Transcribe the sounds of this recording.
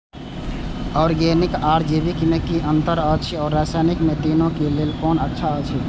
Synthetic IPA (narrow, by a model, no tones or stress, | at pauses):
ɔːɾɡeːnikaːɾd͡ʒebikmẽkiʔə̃nt̪əɾət͡ʃʰiɔːɾːaːsaːjnikmẽt̪inõkeleːlkɔːnətːʃʰaət͡ʃʰi